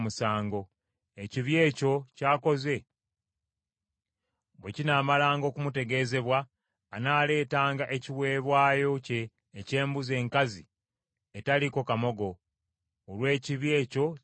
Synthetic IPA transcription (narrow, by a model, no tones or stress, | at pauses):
musaːŋɡo̞ | e̞ciβje̞ːco̞caːko̞ze̞ | βwecinaːmalaːŋɡo̞ːkumute̞ɡe̞ːze̞βwaː | naːle̞ːtaːŋɡaʔe̞ciwe̞ːβwaːjo̞ce̞ː | ce̞ːmbuze̞ːŋkazi | etaliko̞kamo̞ɡo̞ː | lwe̞ːciβje̞ːco̞